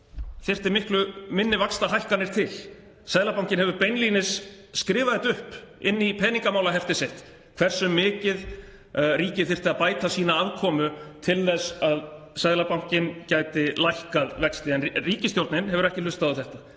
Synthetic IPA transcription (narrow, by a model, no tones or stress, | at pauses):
θɪr̥t̪ɪɾmɪhklʏmɪnːɪvakst̪aɦajhkanɪɾ̥t̪ʰɪl | saðlapawŋ̥cɪnɦɛvʏɾpejnliːnɪsː | kɾɪːvaðɛt̪ʏhpɪ̰nːipʰɛːniŋkamaːwlaɦɛft̪ɪsejht̪ | kʰv̥ɛr̥sʏmːɪːcɪð | riːcɪθɪr̥t̪ɪaðpaːjt̪asiːnaaðkʰɔːmʏt̪ʰɪlθɛsað | saðlapaw̃ŋ̥cɪncaːjt̪ɪlajhkaðvɛkst̪ɪɛnriːcɪst̪jowɾt̪nɪnhɛvʏɾɛhcɪlʏst̪aðʏθɛht̪a